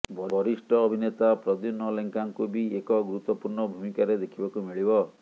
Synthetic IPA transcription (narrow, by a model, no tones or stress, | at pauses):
bʱɔbʱɔɾisʈɔːbʱinet̪apɾɔd̪unːɔleŋkaŋkubiekɔɡuɾut̪wɔpuɾɳɔbʱumikaɾed̪ekʰibakumiɭibɔ